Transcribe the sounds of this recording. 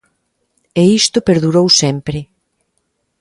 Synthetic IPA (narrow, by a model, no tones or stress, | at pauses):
eist̪ʊpeɾðuɾowsɛmpɾɪ